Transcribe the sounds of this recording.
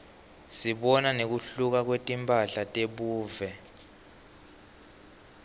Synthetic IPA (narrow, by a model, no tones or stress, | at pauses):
siɓɔnanek̬uɬuk̬ak̬wetʼimpʰʼaɬatʼeɓuːvɛ